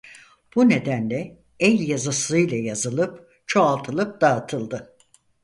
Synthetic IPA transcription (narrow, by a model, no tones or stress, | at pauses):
b̥une̞d̪ænlʲɛ | ɛlʲjazasɯjlˠajazɯlˠɯp | t͡ʃʰoalˠt̪ʰɯlˠɯp̚d̪aːt̪ʰɯlˠd̪ɯ